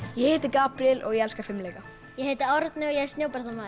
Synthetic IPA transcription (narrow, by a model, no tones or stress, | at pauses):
jɛhɪːt̪ɪkaːpɾjɪlɔɣjɛɛlskafɪmleːjka | jɛɦejt̪ɪɔɾt̪nɪɔɣjɛɾst̪njoːwpaɾ̥t̪amaːð